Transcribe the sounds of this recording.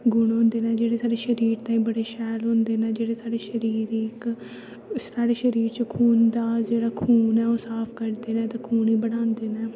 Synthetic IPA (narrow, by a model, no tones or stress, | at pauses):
ɡʊɽɦõːnd̪eːnɛ̃ːd͡ʒeːɽeːsaːɖeːʃəɾiːɾt̪ãːĩːbəɽeːʃɛːlɦʊ̃nd̪eːnɛ̃ːd͡ʒeːɽeːsaːɖeːʃəɾiːɾiːkː | aːɖeːʃəɾiːɾt͡ʃəkʰuːnd̪aːd͡ʒeːɽaːkʰuːnɛːoːsaːpʰkəɾd̪eːnɛ̃ːt̪aːkʰuːniːbəɽãːnd̪eːnɛː